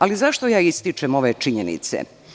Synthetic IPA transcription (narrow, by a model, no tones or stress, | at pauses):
alizaʃt̪ojaːist̪it͡ʃemo̞ʋet͡ʃiɲenḭt̪sḛ